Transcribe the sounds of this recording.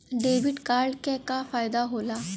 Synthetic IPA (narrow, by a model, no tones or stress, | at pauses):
ɖeʋiʈkaɾɭkɛkafajd̪aɦola